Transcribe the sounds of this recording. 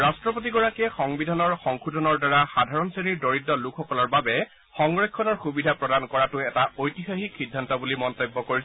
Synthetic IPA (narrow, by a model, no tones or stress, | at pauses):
ɹastɹɔpot̬iɡɔɹakɛxɔŋbidʱanɔɹxɔŋxudʱɔnɔɹdaɹaxadʱaɹɔnseniɹdoɹitːɔlukʰɔkɔlɔɹbabɛ | xɔŋɹekʰːɔnɔɹxubidʱapɹɔdankɔɹatʊɛtaojtixaxikːidʱːantɔbulimɔntɔbːɔkoɹis